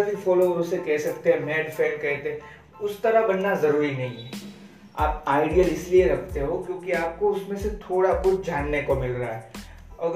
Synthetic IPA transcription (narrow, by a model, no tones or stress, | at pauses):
bʱifɔːloɾsekɛɦsɐk̚t̪eɦɛ̃mɛːɖfɛːɾkɛɦt̪eɦɛ̃ | ʊst̪ɐɾəbɐnːazɐɾuːɾinɐɦĩɦɛ | aːp̚aːɪɖijəlɪslieɾɐkʰt̪eɦokjõːkiaːp̚koʊsmẽset̪ʰoːɽakʊt͡ʃʰd͡ʒaːnːekomɪlɾaaɦɛː | ɐɡ